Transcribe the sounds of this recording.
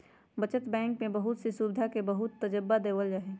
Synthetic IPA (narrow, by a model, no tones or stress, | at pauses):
bət͡ʃət̪bɛ̃ːŋkmẽbəɦʊt̪sesubɪd̪ʱakebəɦʊt̪ːəd͡ʒəbːad̪eːwəld͡ʒaɦeː